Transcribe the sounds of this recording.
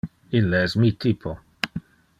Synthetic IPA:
ilːeɛsmiːt̪iːpʰo

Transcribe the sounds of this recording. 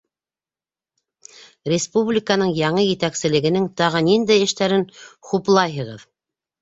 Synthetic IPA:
rʲɪspublʲikənɤɴjɑɴɤjɘ̆t̪æksɘ̆lɘ̆ɡɘ̆nɘŋt̪ɑʁɤnind̪æjɘ̆ʃt̪æɾɘnχuplˠɑjɦɤ̆ʁɤð

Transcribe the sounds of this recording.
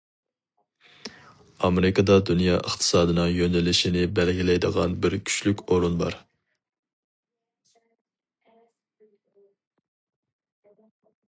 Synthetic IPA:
ɑmeɾɪkɑd̪ɑd̪unjɑʔəχt̪ʰɨ̥sɑːd̪ɨnɨŋjønɛlɪʃinɪbælɡʲilɛjd̪əʁɑnbɪɾkʲʰy̥ʃlykʲoɾunbɑ̰ɾ

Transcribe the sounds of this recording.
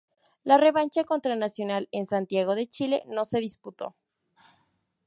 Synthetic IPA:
lare̞βant͡ʃako̞nt̪ɾanasjo̞nale̞nsant̪jaɣ̞o̞ðe̞t͡ʃile̞̰no̞se̞ðisput̪o̞̰

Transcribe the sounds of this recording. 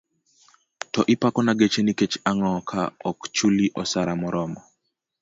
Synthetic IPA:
tɔʔɪpakɔnaɡet͡ʃeniket͡ʃaŋɔkʰa̰ɔkt͡ʃuliʔɔsaɾamɔɾɔmɔ

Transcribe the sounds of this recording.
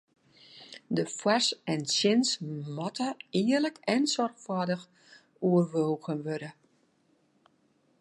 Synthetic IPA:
dəfwasɛnsjɪnsmɔtʰəɪərləkɛnsɔrxfwadəx | uərʋoːɣənʋøɾə

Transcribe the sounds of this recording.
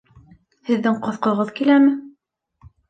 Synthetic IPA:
hɘ̆ðːɘŋqŏθqŏʁɤðkilæmɘ

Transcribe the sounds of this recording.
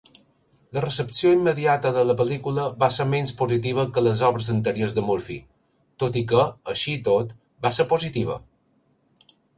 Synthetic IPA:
lərəsəpsioimːəðiat̪əðələpəlikuləβasəɾmenspozit̪iβ̞əkələzɔβɾəzənt̪əɾiozd̪əmuɾfi | t̪ot̪ikəəʃit̪ot̪ | basəɾpozit̪iβ̞ə̰

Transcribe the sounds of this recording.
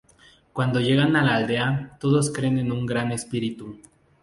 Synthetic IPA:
kwand̪o̞ʝe̞ɣanalaːld̪e̞at̪o̞ðo̞skɾe̞nenuŋɡɾane̞spiɾit̪u

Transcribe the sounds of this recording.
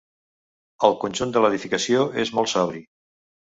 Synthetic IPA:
əlˠkunʲʒund̪ələðifikəsioezmolˠsaβɾi

